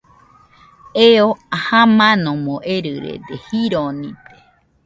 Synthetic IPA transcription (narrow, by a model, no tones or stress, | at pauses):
eoahãmãnõmõʔeɾɨɾḛd̪ehiɾonĩt̪e̥